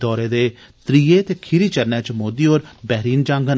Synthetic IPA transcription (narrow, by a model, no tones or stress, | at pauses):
d̪ɔːɾeːd̪eː | t̪ɾiːeːt̪eːkʰɪɾiːt͡ʃəɾnɛːt͡ʃəmoːd̪iːoːɾbɛːɾiːnd͡ʒãːŋɡən